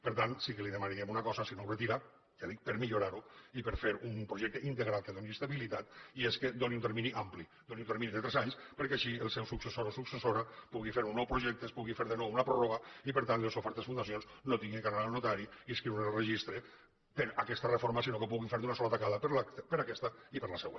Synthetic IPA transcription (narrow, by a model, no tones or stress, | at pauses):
pəɾt̪ansikəliðemaniɣemunakɔzasinowret̪iɾa | ʒaðik̚pəɾmiʎuɾaɾuipəɾfeɾumpɾoʒɛk̚t̪eʔint̪eɣɾalˠkeðoniest̪aβilit̪at̪iesked̪oniunt̪eɾminiampli | d̪oniunt̪eɾminiðət̪ɾɛzaɲspəɾkɛaʃiəlˠsɛwsuksesoɾosuksesoɾapuɣifeɾunːɔwpɾuʒɛk̚t̪espuɣifeɾðənɔwunapɾɔroɣ̞aipəɾt̪anelˠsofɛɾt̪esfund̪asionsnot̪iŋɡieŋkaɾaalnot̪aɾiiskɾiɾunelrəʒist̪ɾe | peɾakɛst̪arefoɾmasinokepuɣiɱfeɾd̪unasɔlat̪akaðapɾpəɾakɛst̪aipəɾlaseɣwḛn